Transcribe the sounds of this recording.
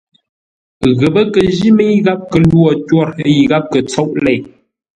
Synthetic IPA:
ɣə˨bə˦kə˨ʒi˦mə˦ji˦ɣa˦p̚kə˨lwɔ˨twɔ˦˨ɾə˦ji˨ɣa˦p̚kə˨t͡sɔ˦ʔlɛ˦˨j

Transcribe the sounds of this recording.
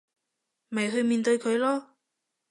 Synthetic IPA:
mɐ˨jɦɵ˧ɥmiː˨˧nt̪ɵ˧ɥkʰɵ˨˧ɥlɔː˥

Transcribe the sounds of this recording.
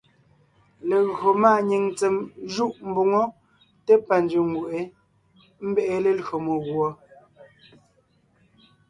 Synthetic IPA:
le˨ɣɰo˨maː˦˨ɲi˨ŋt͡se˨mʒu˦ʔm̩˨bu˨ŋo˦ | te˦pa˨n˦d͡ʒʉ˨ŋ˨ɡu˨ʔe˨˦ | m̩˦be˦ʔe˦˨le˨lɰo˨mo˨ɣwɔ˨

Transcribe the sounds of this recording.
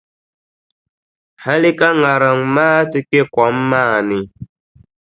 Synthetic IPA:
ha˦li˦ka˦ŋa˨ɾa˨ŋmaː˦tɨ˦ke˦˨kwɔ˨˦mːaː˦˨ni˨

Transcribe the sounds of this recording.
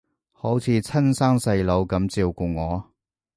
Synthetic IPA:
ho˨˥wt͡sʰiː˨˧t͡sʰɐ˥nsaː˥ŋsɐ˧jlo˨˧wkɐ˨˧˥mt͡siː˧wkuː˧ŋɔː˨˧

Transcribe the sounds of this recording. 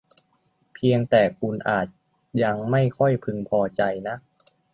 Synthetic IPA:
pʰi˧əŋt̪ɛː˨˩kʰu˧nʔaː˨˩t̪̚ | ja˧ŋma˥˩jkʰɔ˥˩jpʰɯ˧ŋpʰɔː˧t͡ɕa˧jna˦˥ʔ

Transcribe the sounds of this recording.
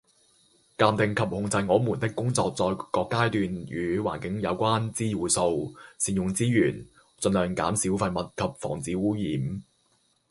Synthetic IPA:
kaː˧mt̪ɪ˨ŋkʰɐ˨p̚hʊ˧ŋt͡sɐ˧jŋɔː˨˥muː˨˩nt̪ɪ˥kːʊ˥ŋt͡sɔː˧k̚t͡sɔː˧jkɔː˧kːaː˥jt̪yː˧njyː˨˧wa̰ː˨˩nkɪ˨˥ŋjɐ˨˧wkʷaː˥nt͡siː˥wuː˨˥so˧wsiː˨njʊ˨ŋt͡siː˥jyː˨˩n | t͡sɵ˧nlœː˨˩ŋka̰ː˨˥msiː˨˥wfɐ˧jmɐ˨t̚kʰɐ˨p̚fɔ̰ː˨˩ŋt͡siː˨˥wuː˨˥jiː˨˥m

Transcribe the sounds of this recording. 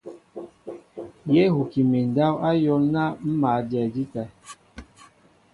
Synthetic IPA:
je˦hu˨ki˨mi˨n˨da˦wa˦jɔ˦lna˦m̩˦maː˨˦dɛ˨di˦ta˨

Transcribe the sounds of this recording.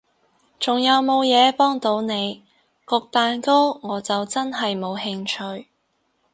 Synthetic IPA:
t͡sʊ˨ŋjɐ˨˧wmo˨˧wjɛː˨˧pɔː˥ŋt̪o˨˥wne˨˧j | kʊ˧k̚t̪aː˨˧nko˥wŋɔː˨˧t͡sɐ˨wt͡sɐ˥nɦɐ˨jmo˨˧whɪ˧ŋt͡ʃʰɵ˧ɥ

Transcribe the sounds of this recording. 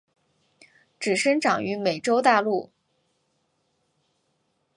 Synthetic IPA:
ʈ͡ʂɻ̩˨˩ʂə˥ŋʈ͡ʂɑ˨˩ŋy˧˥me˨˩ɪʈ͡ʂo˥ʊt̪a˥˧lu˥˩

